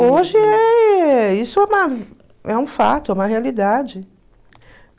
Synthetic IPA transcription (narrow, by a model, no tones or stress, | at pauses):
oʒɪɛ | isʊɛũmɐ | ɛũfa̰t̪ʊɛũmɐɦealid̪ad͡ʒɪ